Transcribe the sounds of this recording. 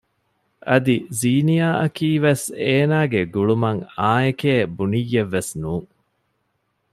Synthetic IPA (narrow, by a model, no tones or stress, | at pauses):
ʔɐd̪iziːnijaːʔɐkiːʋeseːnaːɡeɡuɭumɐŋaːekeːbunijːeʋːesnuːŋ